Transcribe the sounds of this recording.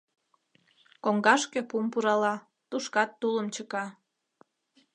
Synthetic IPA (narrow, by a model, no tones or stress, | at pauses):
koŋɡɑʃkepumpuɾɑlɑ | t̪uʃkɑt̪ːuləmt͡ɕəkɑ